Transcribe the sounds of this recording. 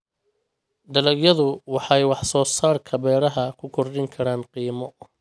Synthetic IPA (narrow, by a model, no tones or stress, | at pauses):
d̪ɐlɐɡjɐðʊwɑħɑjwɑħsɔːsaːrkʰɐβɛːɾɐɦɐkʰʊkʰɔrdɪŋkʰɐɾaːnqiːmɔ